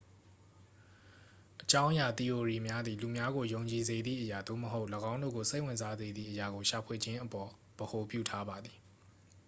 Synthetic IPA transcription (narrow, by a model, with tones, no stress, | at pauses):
ʔət͡ɕã˦ʊ̃ʔja˨t̪i˨ʔo˨ɹi˨mja˦d̪ði˨lu˨mja˦ɡo˨jõ˨ʊ̃ɲt͡ɕi˨ze˨d̪ðḭ˦˨ʔəja˨d̪o̰˦˨məɦo˦ʊʔləɡã˦ʊ̃ndo̰˦˨ɡo˨se˦ɪʔwɪ̃˨nza˦ze˨d̪ðḭ˦˨ʔəja˨ɡo˨ʃa˨pʰwe˨d͡ʑɪ̃˦ʔəpɔ˨ | b̥əho˨pjṵ˦˨tʰa˦ba˨d̪ði˨